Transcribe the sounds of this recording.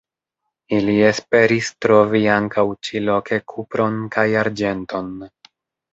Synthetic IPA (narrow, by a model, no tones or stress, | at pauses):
ilie̞spe̞ɾistɾo̞viaŋkawt͡ʃilo̞ke̞kʰupɾo̞nkʰajaɾd͡ʒe̞nto̞n